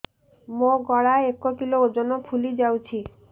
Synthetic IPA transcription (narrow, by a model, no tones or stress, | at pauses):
moɡɔɽaekokilood͡ʒɔnɔpʰulid͡ʒawt͡ʃʰi